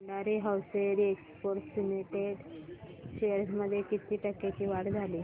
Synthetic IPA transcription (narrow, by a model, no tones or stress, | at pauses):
ɳɖaɾiɦawseɾiekspoɾt̪suneʈeɖɕejəɾsməd̪ʱːjekit̪iːʈəkːat͡ɕiːʋaɽd͡zʱaliː